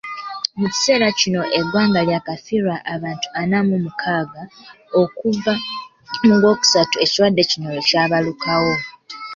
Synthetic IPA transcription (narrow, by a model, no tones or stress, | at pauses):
muci̥se̞ːɾacino̞ʔeɡwaːŋɡaljakafiɾwaʔːβaːntu̥anamumukʰaːɡa | o̞kuva | muŋɡo̞ːku̥satue̞ciɾwadːe̞cino̞locaːβalukawo̞